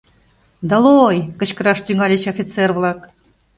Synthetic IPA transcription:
d̪əlojkə̆t͡ɕkɤ̆ɾɑʃt̪yŋɑlʲĕt͡ɕofʲit̪t͡serβlˠɑk

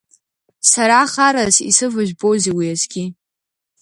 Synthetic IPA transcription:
saɾaχaɾazḭsɨvɨʒᶣʷbowziwiazɡʲi

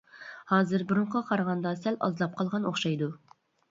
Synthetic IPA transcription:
hɑːzɨɾbʊɾʊɴqʰɑqʰɑɾʁɑnd̪ɑsɛlɑ̰zlˠɑp̚qʰɑlˠʁɑnoχʃɑjd̪u

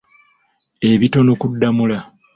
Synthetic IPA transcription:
e̞βito̞nokudːamula

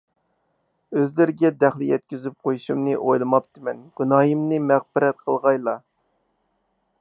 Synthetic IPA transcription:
øzlɪɾɪɡʲɛd̪æχlˠɪjɛt̪̚kʲyzyp̚qʰojuʃumnɨʔojlˠɨmɑp̚t̪ʰɨmɛnɡ̥unɑːjimnɨmæq̚bɪɾɛt̪̚qʰəlˠʁɑjlˠɑ

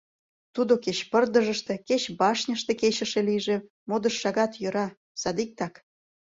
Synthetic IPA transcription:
t̪ud̪oket͡ɕpə̆rd̪ə̆ʒə̆ʃt̪e̽ket͡ɕbɑʃnʲəʃt̪eket͡ɕə̆ʃĕlijʒĕ | mod̪ə̆ʃːɑɣɑt̪jø̆ɾɑ | sɑd̪ik̚t̪ɑk

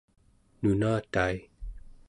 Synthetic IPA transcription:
nunaːt̪aj

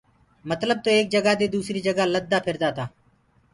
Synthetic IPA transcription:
mət̪ləb̚t̪oːeːk̚d͡ʒəɡaːd̪eːd̪uːsɾiːd͡ʒəɡaːləd̪ːaːpʰɪɾd̪aːt̪aː

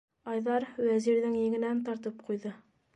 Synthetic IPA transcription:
ɑjðɑɾwæziɾðɘŋjɘ̆ɡɘ̆nænt̪ɑɾt̪ɤp̚qʰujðɤ

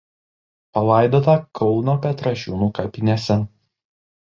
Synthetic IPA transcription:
pɐlˠɑˑɪd̪oːt̪ɐkʰɔʊnoːkʲɐt̪ɾɐʃʲuːnuːkɐpʲɪnʲesʲɛ

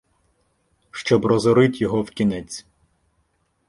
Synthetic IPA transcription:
ʃt͡ʃɔbrɔzɔɾɪt̪jɔɦɔwkʲinɛt͡sʲ

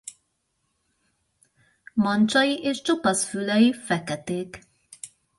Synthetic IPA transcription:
mɒnt͡ʃɒjiʔeːʃt͡ʃopɒsfylɛjifɛkɛt̪eːk

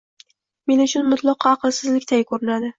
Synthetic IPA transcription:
me̞nʊt͡ʃʰʊnmʊt̪ʰlˠɒqɑɑqlˠsɪzlɪkʲt̪ʰajʲkʰɵɾɪnad̪ɪ

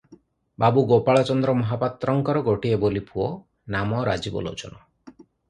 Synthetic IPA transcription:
babuɡopaɭɔt͡ʃɔnd̪ɾɔmɔɦapat̪ɾɔŋkɔɾɔɡoʈiebolipʰuɔ | namɔɾad͡ʒibɔ̰lo̰t͡ʃɔ̰nɔ

